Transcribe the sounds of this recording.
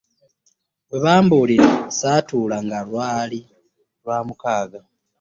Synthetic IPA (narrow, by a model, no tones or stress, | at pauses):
weβaːmbuliɾasaːtuːlaŋɡalwaːli | ɾwaːmukaːɡa